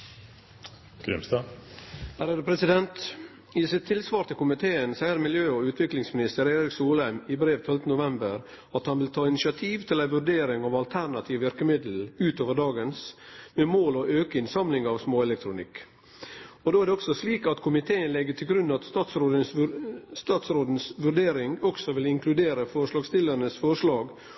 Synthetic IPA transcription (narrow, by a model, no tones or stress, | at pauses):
ɡ̥ɾɪ̰mst̪ɑ | hæɾɛɾəpʰɾɛsɪd̪ɛnt̪ | ɪsɪt̪ʰːɪlsʋɑːɾt̪ʰɪlkʊmɪt̪ʰeːənsæɪəɾmɪljøːɔʉːt̪ʰʋɪklɪŋsmɪnɪst̪əɾeːɾɪksuːlæɪmɪbɾeːʋt̪ʰɔlt̪ən̩ʊʋɛmbəɾ | ɑt̪hɑnʋɪlt̪ʰɑːɪnɪʃɪɑt̪ʰiːʋt̪ʰɪlæɪʋʉɖeːɾɪŋɑʋɑlt̪ʰæɾnɑt̪ʰiːʋʋɪɾkəmɪd̪l̩ʉːt̪oːʋəɖɑːɡənsmɛmoːlɔʔøːkəɪnsɑmlɪŋɑʋsmoːɛlɛk̚t̪ʰɾʊnɪ̰kː | ɔd̪oːæɾɖɛɔksɔsliːkɑt̪kʰʊmɪt̪ʰeːənlɛɡːəʈ̪ʰɪlɡɾʉnːɑt̪st̪ɑːt̪sɾoːd̪ə | st̪ɑːt̪sɾoːd̪n̩sʋʉɖeːɾɪŋɔksɔʋɪlɪŋkʰlʉd̪eːɾəfɔɾʂlɑːɡst̪ɪlːəɾnəsfɔʂlɑːɡ